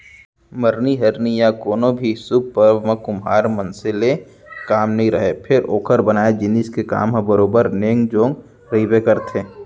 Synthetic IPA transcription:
məɾniɦɐɾnijakoːnõbʱisʊk̚pəɾʋmə̃kʊmɦa̰ːɾmɐ̃nsɪle | kaːmnɐɦĩɾəɦepʰɪɾoːkʰəɾbənaːed͡ʒɪniskeka̰ːmɦãbəɾoːbəɾneːŋɡd͡ʒõːŋɡ | ɾibekəɾt̪ẽː

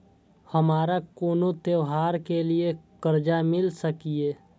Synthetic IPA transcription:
həmaːɾakoːnot̪eʋɦaːɾkeliekəɾd͡ʒamɪlsəkieː

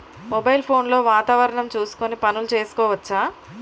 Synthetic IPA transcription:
mobɐjlpʰo̞ːnlo̞ːʋaːt̪aːʋɐɾɐɳɐmt͡ʃuːsu̥konipɐnulut͡ʃe̞ːsu̥kɔːʋɐt͡ʃːaː

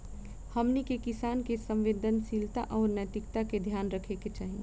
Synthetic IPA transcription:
hɐmnikekɪsaːnkesə̃mʋeːd̪ʱənsilt̪a̰ʔɔːɾnət̪ɪkt̪aked̪ʱjaːnɾəkʰeket͡ʃaːɦiẽ

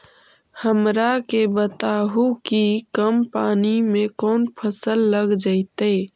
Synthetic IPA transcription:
həmɾakebət̪aɦukikəmpaːnimẽkɔːnpʰəsəlːəɡd͡ʒaɪt̪e

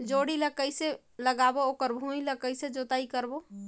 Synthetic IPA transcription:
d͡ʒoɽiləkəɪse | ləɡabookəɾbʱũiləkəɪsed͡ʒot̪aikəɾbo

